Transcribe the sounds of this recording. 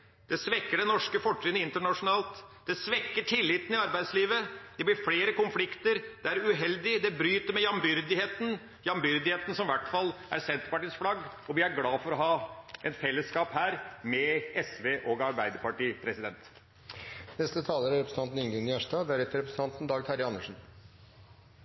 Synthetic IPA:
d̪ɛsʋɛkːəɖɛnɔʂkəfɔʈɾyːnəɪnt̪əɳɑʂʊnɑːlt̪d̪̥ɛsʋɛkːəʈʰɪlːɪt̪nɪɑɾbæɪd̪sliːʋəd̪ɛblɪɾfleːɾəkʊnflɪkt̪əɾd̪̥ɛæɾʉɦɛld̪ɪd̪ɛbɾyːt̪əɾmɛjɑmbʏɾd̪ɪheːt̪n | jɑmbʏɾd̪ɪheːt̪n̩sɔmʋæʈːfɑlːæ̰ɾsɛnt̪əɾpɑʈiːsflɑɡɔʋɪæɾɡlɑːfɔɾɔɦɑːʔɛnfɛlːəskɑːphæːɾmɛɛsʋeːʔoɡɑɾbæɪd̪əɾpɑʈiːpʰɾɛsɪd̪ɛnt̪ | nɛst̪ət̪ʰɑːləɾæɾɛpɾsn̩t̪ɑnt̪n̩ɪŋɡɔŋnɪæʂʈɑːd̪æɾɛt̪əɾɛpɾəs̩ʰɑnt̪n̩d̪ɑːɡt̪ʰæɾɪɑnːəʂn̩

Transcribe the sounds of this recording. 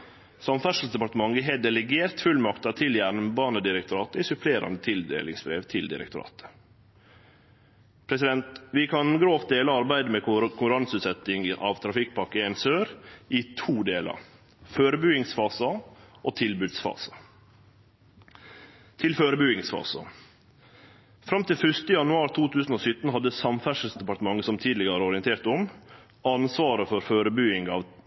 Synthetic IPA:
sɑmfœʂlsd̪ɛpɑɾt̪əmɑŋɡəɦeːd̪ɛləɡeːɾt̪fʉlmɑkt̪ɑt̪ʰɪljæɳbɑːnəd̪ɪɾəkt̪ʰʊɾɑːt̪əɪsʉpʰleːɾɑ̰nət̪ʰɪld̪ḛːlɪ̰ŋsbɾḛːʋt̪ʰɪld̪ɪ̰ɾə̰kt̪ʊɾɑ̰ːt̪ə̥ | pʰɾɛsɪd̪ɛnt̪ʋɪkʰɑnɡɾoːft̪̚d̪eːləɑɾbæɪd̪əmɛkʰʊŋkʉɾɑnsʉːt̪sɛt̪ɪŋʔɑ̰ːʋt̪ʰɾɑfɪk̚ːpʰɑkːəɛnsøːɾʔɪt̪ʰuːd̪eːlɑ̰ɾ | føːɾəbyɪŋsfɑːsəʔoːt̪ʰɪlbʉːd̪sfɑ̰ːsə̥ | t̪ʰɪlføːɾəbʉɪŋsfɑ̰ːsə̰ | fɾɑmt̪ɪlfʏʂt̪əjɑnʉɑːɾt̪ʰuːt̪ʰʉːsn̩oːsʏt̪n̩ɦɑd̪ːəsɑmfæʂəl̩sd̪ɛpɑʈ̪əmɑŋːəsɔmt̪ʰiːd̪lɪɡəɾəɔɾɪənt̪ʰeːɾt̪ɔm | ɑnsʋɑːɾəfɔɾføːɾəbyːɪŋɡɑːʋ

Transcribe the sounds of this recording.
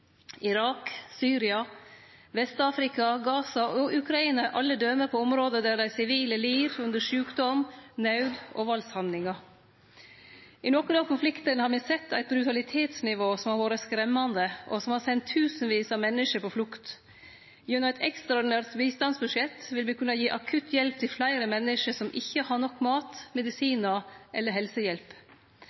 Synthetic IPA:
ɪɾɑːksyːɾɪɑ | ʋɛst̪ɑːfɾɪkɑɡɑːsɑʔɔʔʉkʰɾɑiːnɑʔɑlːəd̪øməɾpʰɔɔmɾoːd̪əd̪æːɖæɪsɪʋiːləliːɾʉnd̪əʂʉːkd̪ɔmnɑʉd̪o̰ːʋɑlshɑnd̪lɪŋɑ | ɪnɔkənɑːkʰʊnflɪkt̪ənhɑɾmɛsɛt̪ʰːæɪt̪̚bɾʉt̪ɑlɪt̪ʰeːt̪snɪʋoːsɔmhɑɾʋoːɾəskɾɛmːɑnd̪əʔɔ̰sɔmhɑsɛnt̪ʰːʉːsnʋiːsɑmɛnːəʂəpʰɔflʊkt̪ | jɛnɔmɪt̪ʰɛkst̪ɾɑɔɖɪnæːɾt̪biːst̪ɑnsbʉʂɛt̪ːʋɪlmɪkʰʉnɑjiːʔɑkʰʉt̪ʰjɛlp̚t̪ʰɪlflæɪɾəmɛnːəʂəsɔmʔɪçːəhɑɳɔkːmɑːt̪mɛd̪ɪsiːnɑʔɛlːəɾɦɛlsəjɛlp

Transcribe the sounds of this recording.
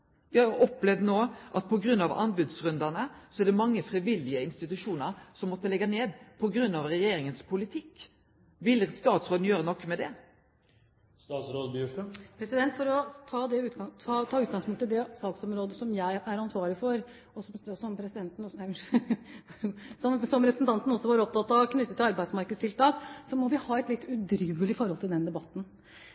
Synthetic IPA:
ʋɪhɑɾjʊʔɔpːlɛʋd̪noːʔɑt̪̚pʰɔɡɾʉnːɑʋɑ̰nbʉd̪sɾʉnd̪ænəsɔæɾd̪ɛmɑŋːəfɾiʋɪlːɪəɪnst̪ɪt̪ʉʂuːnəɾsɔmːɔt̪ːəlɛɡːɑneːd̪pʰɔɡɾʉnːɑʋɾɛjeːɾɪŋənspʰʊlɪt̪ʰɪkː | ʋɪlst̪ɑːt̪sɾoːd̪n̩jøːɾənɔkːmɛd̪ɛ | st̪ɑːt̪sɾoːd̪bʂʈəpʰɾɛsɪd̪ɛnt̪fɔɾɔt̪ʰɑːd̪ɛʉːt̪ɡɑɑt̪ʰɑːʉːt̪ɡɑŋspʊŋt̪ɪld̪ɛsɑːksɔmɾoːd̪əsɔmjæɪæɾɑnsʋɑːɭɪfɔɾ | ɔsɔmɔsɔmpʰɾɛsɪd̪ɛnt̪nɔsjæ | sɔmsɔmɾɛpɾsn̩t̪ɑnt̪n̩ɔsːɔʋɑːɾɔp̚t̪ʰɑt̪ːɑʋknʏt̪ːət̪ːɪlɑɾbæɪd̪smɑɾkəd̪st̪ʰɪlst̪ɑːksɔmɔʋɪhɑːɛt̪lɪt̪ːʉd̪ɾʉːəlɪfɔɾhɔlt̪ʰɪld̪ɛnd̪ɛbɑt̪ːn̩

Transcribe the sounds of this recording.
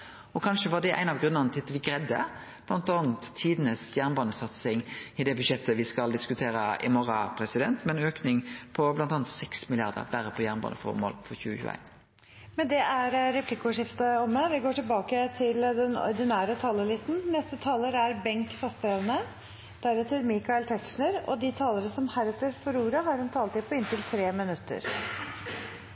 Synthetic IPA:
ɔkʰɑnʂəʋɑʁd̪ɛʔæ̰ɪnɑʋɡɾʉnəʁnət̪ʰɪt̪ːʋɪɡɾɛd̪ːə̰ | b̥lɑnt̪ɑːnt̪ʰːiːd̪n̩əsjæʁnbɑːnəsɑt̪sɪŋɪd̪ɛbʉʂɛt̪ʰːəʋɪskɑld̪ɪskʉt̪ʰeːɾəɪ̰mɔʁɑpʰɾɛsɪd̪ɛ̰nt̪mɛnøːknɪŋpʰɔblɑnt̪ɑnt̪sɛksmɪlɪjɑʁd̪ə̰ʁbæɾəpʰɔjæːʁnbɑ̰ːnəfɔ̰ɾmɔ̰lːfɔɾçʉ̰ːəçʉ̰ːæ̰ɪn | mɛnd̪ɛʔæɾɾɛpʰlɪkːəʊʂɪft̪əɔmːəʋɪɡoːʈɪlbɑːkət̪ʰɪld̪ɛnɔ̰ɾd̪ɪnæːɾət̪ʰɑːləlɪst̪n̩nɛst̪ət̪ʰɑːləɾæɾbɛŋt̪fɑst̪ɾɛʋənə | d̪̥æɾɛt̪ːəlmɪːkɑɪlt̪ʰɛkʂɳəɾɔ̰d̪ɪt̪ʰɑːləɾəsɔmhæɾɛt̪ːəɾfɔɾuːɾəɦɑɾɛnt̪ʰɑːlət̪ɪpʰɔɪnt̪ɪlt̪ʰɾeːmɪnʉt̪ːə̰ɾ

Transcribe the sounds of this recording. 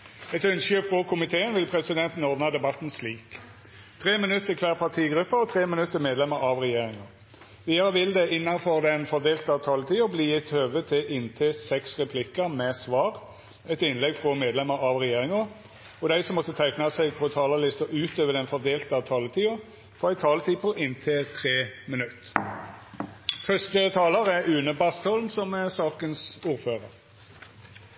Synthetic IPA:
ɛt̪œnsʏfʁɔkʰʊmɪt̪ʰeːənʋɪlpʰɾɛsɪd̪ɛnt̪n̩ɔd̪nɑd̪ɛbɑt̪n̩sliːk | t̪ʰʁeːmɪnʉt̪ːəkʰʋæːʁpʰɑʁt̪ʰiːɡɾʉpːəɔt̪ʰʁeːmɪnʉt̪ːəmeːd̪lɛməɾɑʋʁɛjeːʁɪŋɑ | ʋiːəʁəʋɪld̪ɛʔɪnːɑnfɔʁd̪ɛnfɔd̪eːlt̪əɑʋt̪ʰɑːlət̪ʰiːʊbliːjɪt̪høːʋət̪ʰɪlʔɪnt̪ʰeːsɛksʁɛpʰlɪkəmɛsʋɑːʁ | ɛt̪ɪnlɛɡfʁɔmeːd̪lɛməʁɑʋʁɛjeːʁɪŋɑ | ɔd̪æɪsɔmːɔt̪ːət̪ʰæɪknɑsɛɪɡ̚pʰɔt̪ʰɑːlɑlɪst̪ɔʔʉːt̪øːʋəd̪ɛnfɔʁd̪eːlt̪əɑt̪ʰɑːlət̪ʰiːʊ | fɔæɪt̪ʰɑːlət̪ʰiːpʰɔʔɪnt̪ʰeːt̪ʰʁeːmənʉt̪ː | fœst̪ət̪ʰɑːləʁɛʉːnəbɑst̪hɔlmsɔmɛsɑːkənsuːʁɾføːʁəʁ

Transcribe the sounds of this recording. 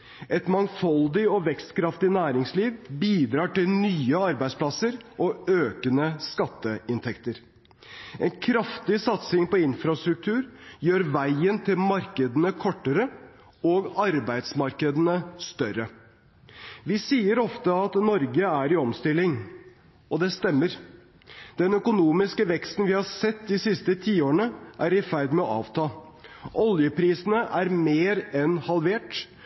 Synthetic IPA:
ɛt̪mɑŋfɔld̪ɪɔʋɛkst̪kʰɾɑft̪ɪnæːɾɪŋsliːʋbiːd̪ɾɑːʈɪlnyːəɑɾbæɪspʰlɑsəɾʔɔøːkənəskɑt̪ːəɪnt̪ʰɛkt̪əɾ | ɛnkʰɾɑft̪ɪsɑt̪sɪŋpɔɪnfɾɑst̪ɾʉk̚t̪ʰʉːɾjøːɾʋæɪənt̪ʰɪlmɑɾkəd̪ənəkʰɔʈːəɾə | oːɡɑɾbæɪd̪smɑɾkəd̪ənəst̪œɾə | ʋɪsiːəɾɔft̪əɑt̪nɔɾɡəæɾɪɔmst̪ɪlːɪŋ | ʔɔd̪ɛst̪ɛmːəɾ | d̪̥ɛnœkʊnuːmɪskəʋɛkst̪n̩ʋɪhɑɾsɛt̪ːd̪ɪsɪst̪ət̪ʰiːoːɾəɳəʔæɾɪfæɾd̪mɛɔʔɑ̰ːʋt̪ʰɑː | ʔɔljəpʰɾiːsnəʔæɾmeːɾɛnhɑlʋeːʈ

